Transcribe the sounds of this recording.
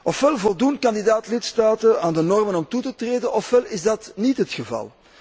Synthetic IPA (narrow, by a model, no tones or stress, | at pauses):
ʔɔfʋɛlˠvɔlˠdunt̚kɑndidaːtlɪtstaːtəaːndənɔrmənɔmtutətreːdənʔɔfʋɛlɪzdɑtnitɦətxəvɑ̰lˠ